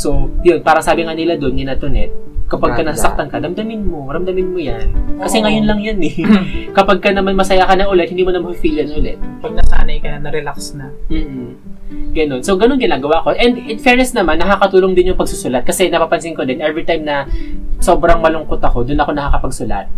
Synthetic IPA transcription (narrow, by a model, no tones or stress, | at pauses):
so̞jonpaːɾɐsaːbɪŋanɪlad̪onɡɪnat̪ʊnɛ̰t̪̚kɐpaɡ̚kːɐnɐsasɐk̚t̪ankɐɾɐmd̪ɐmɪnmoɾɐmd̪ɐmɪnmojankɐsɛŋɐjonlɐŋjanɛkɐpaɡ̚kɐnɐmanmɐsɐjakɐnɐʔʊlɛt̪̚hɪnd̪imonɐmafiːlɐnʔʊlɛt̪̚pɐɡ̚nɐsa̰ːnɐjkɐjanɐɾɛlaksnɐm̩ːʔ̩ | ɡɐno̞nsowɡɐnonɡɪnaːɡɐwaʔko̞ʔɛnd̪ɪt̪fɛɹnɛs̚nɐmanːɐkakɐt̪uːloŋd̪ɪnjʊŋpɐɡ̚susʊlat̪̚kɐsɛnɐpaːpɐnsɪŋkod̪ɛnʔɛvɾit̪ajmnɐso̞ːbɾɐŋmɐlʊŋko̞t̪ɐko̞d̪ʊnɐko̞nɐkaːkɐpɐɡsʊla̰t̪̚